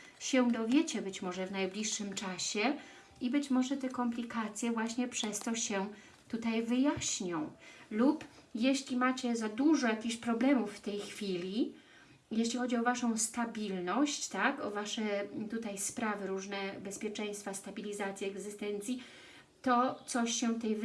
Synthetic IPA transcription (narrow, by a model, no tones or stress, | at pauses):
ɕɛ̃d̪ɔvʲjet͡ɕɛbɘt͡ɕmɔʐɛvnajblʲiʂːɘmt͡ʂaɕɛ | ibɘt͡ɕmɔʐɛt̪ɛkɔmplʲikat̪sʲjɛvwaɕɲɛpʂɛst̪ɔɕɛ | t̪ut̪ajvɘjaɕɲɔ̃w̃lupjeɕlʲimat͡ɕɛzad̪uʐɔjakʲixɕpɾɔblɛmufːt̪ɛjxfʲilʲi | jeɕlʲixɔd͡ʑiɔvaʂɔ̃w̃st̪abʲilnɔɕt͡ɕt̪akɔvaʂɛt̪ut̪ajspɾavɘɾuʐnɛbɛspʲjɛt͡ʂɛj̃st̪fast̪abʲilʲizat̪sʲjɛːɡzɘst̪ɛnt̪sʲji | t̪ɔt̪sɔɕːɛt̪ɛjv